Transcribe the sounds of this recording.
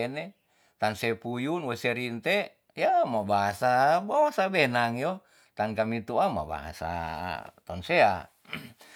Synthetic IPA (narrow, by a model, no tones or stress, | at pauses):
ɛnɛ | t̪ansɛpujunwesɛɾint̪ɛ | jamabaɦasabawasabɛnaŋjɔ | t̪ankamit̪uama̰ba̰ɦa̰sa̰t̪ɔnsea̰